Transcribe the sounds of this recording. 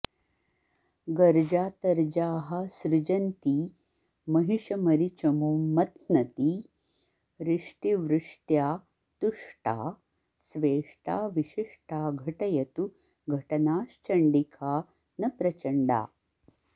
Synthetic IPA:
ɡɐɾd͡ʒaːt̪ɐɾd͡ʒaːɦɐ̆sɾɪd͡ʒɐnt̪i | mɐɦiʂɐmɐɾit͡ʃɐmumɐt̪nɐt̪i | ɾiʂʈiʋɾɪʂʈjaː | t̪uʂʈa̰ː | sʋeːʂʈa̰ːʋiʂiʂʈaːɡʱɐʈɐjɐt̪u | ɡʱɐʈɐnaːʃt͡ʃɐɳɖikʰaː | nɐpɾɐt͡ʃɐɳɖa̰ː

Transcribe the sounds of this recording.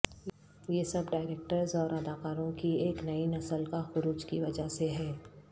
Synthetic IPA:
jesɐbɖaːɪɾeːk̚ʈəɾzɔːɾɐd̪aːkaːɾõkieːknɐinɐsəlkaxʊɾuːd͡ʒkiʋɐd͡ʒaseɦɛː

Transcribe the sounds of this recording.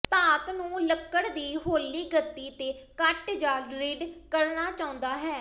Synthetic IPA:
t̪aːt̪nũːləkːəɽd̪iːɦoːlːiːɡət̪ːiːt̪eːkəʈd͡ʒaːɾɪɖkəɾnaːt͡ʃaːʊ̃nd̪aːɦɛː

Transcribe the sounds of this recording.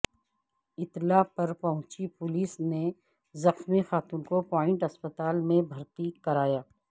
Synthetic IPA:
ɪt̪lapɐɾpɐɦʊ̃t͡ʃipʊliːsne | zɐxmixaːt̪uːnkopɔːɪ̃ɳʈɐspət̪aːlmẽbʱɐɾt̪ikɐɾaːjaː

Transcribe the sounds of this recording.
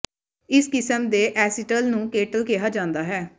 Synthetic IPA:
ɪskɪsəmd̪eːʔɛːsɪʈəlnũːkeːʈəlkeɦaːd͡ʒãːnd̪aːɦɛː

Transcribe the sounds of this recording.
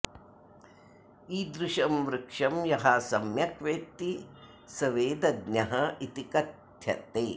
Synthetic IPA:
iːd̪ɾɪʃɐmʋɾɪkʂɐmjɐɦɐsɐmjɐkʋeːk̚t̪i | sɐʋeːd̪ɐɡnɐɦɐit̪ikɐt̪ | jɐ̰t̪eː

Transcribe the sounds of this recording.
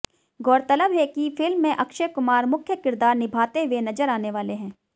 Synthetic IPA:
ɡɔːɾt̪ələbɦɛkifɪlmːẽʔɐkʃəkʊmaːɾmʊkʰjəkɪɾd̪aːɾnɪbʱaːt̪eʋenɐd͡ʒəɾaːneʋaːleɦɛ̃ː

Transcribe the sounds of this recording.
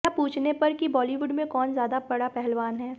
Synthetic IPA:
apuːt͡ʃʰnepɐɾkibɔːliʋʊɖmẽkɔːnzjaːd̪abɐɽapɛɦɛlʋaːnɦɛː

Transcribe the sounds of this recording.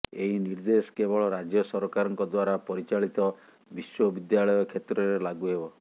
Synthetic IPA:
eɦiniɾd̪esɔ̥kebɔɭɔɾad͡ʒjɔsɔɾɔkaɾɔŋkɔd̪waɾapɔɾit͡ʃaɭit̪ɔ | biswɔbid̪jaɭɔjɔkʰet̪ɾɔɾelaɡuɦebɔ

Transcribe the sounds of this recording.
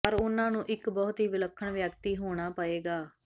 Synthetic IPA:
pəɾʊnãːnũːʔɪkbɔːt̪ɦiːʋɪləkʰːəɳʋjəkt̪iːɦoːɽ̃aːpəeːɡaː

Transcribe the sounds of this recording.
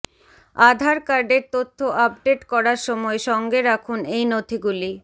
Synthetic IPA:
ad̪ʱaɾkaɾɖeɾt̪ot̪ʰːoʔap̚ɖeʈkɔɾaɾʃɔmɔeʃɔŋɡeɾakʰunejnot̪ʰiɡuli

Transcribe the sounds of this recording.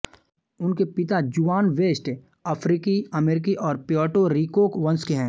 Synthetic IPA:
ʊnkepɪt̪ad͡ʒuːaːnʋeːsʈ | əpʰɾiːkiɐmeːɾɪk̬iʔɔːɾpjɔːʈoɾiːkoːkʋɐ̃nskeɦɛ̃ː

